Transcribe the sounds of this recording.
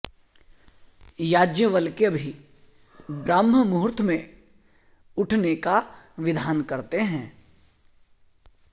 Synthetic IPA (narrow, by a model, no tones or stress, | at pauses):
jaːd͡ʒjəʋəlkeɐbʱi | bɾaːməmuɦʊɾt̪ʰmẽ | ʊʈʰneka | ʋɪd̪ʱaːnkɐɾt̪eɦɛ̃ː